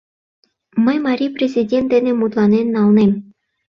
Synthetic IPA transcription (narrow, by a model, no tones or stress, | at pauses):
mə̆jmɑɾʲiprʲezʲidʲent̪dɘ̆nʲɘ̆mut̪lˠɑnennːɑlˠnem